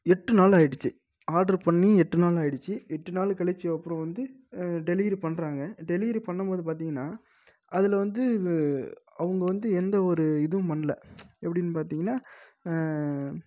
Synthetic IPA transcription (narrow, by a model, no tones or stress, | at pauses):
ɛʈːɯnaːlaːjɪɽɯt͡ʃːɯ | aːɾɖɐɾpɐɳːiɛʈːɯnaːlaːjɪɽɯt͡ʃːɯɛʈːɯnaːlkɐɭɛt͡ʃːɯɐpːɯɾɔ̃ʋɐnd̪ɯ | ɖɛliːɾpɐɳːɾaːŋɡɐɖɛliːɾipɐɳːɐmpoːðɯpaːɾt̪iːŋɡɐnːaː | ʔɐðɪlʋɐnd̪ɯ | ɐʋɐŋɡɐʋɐnd̪ɯɛnd̪ɐɔɾɯɪðɯmɐnlɐ̰ɛpːɐɽɪnːɯpaːɾt̪iːŋɡɐnːaː